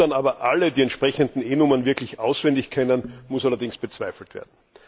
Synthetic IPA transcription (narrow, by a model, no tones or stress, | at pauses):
anaːbɐʔalədiːɛntʃpʁ̥ɛçəndn̩eːnʊmɐnvɪɐklɪçʔaʊsv̥ɛndɪçkʰɛnənmʊsalɐdɪŋsb̥ət͡sv̥aɪfl̩tv̥ḛːɐdn̩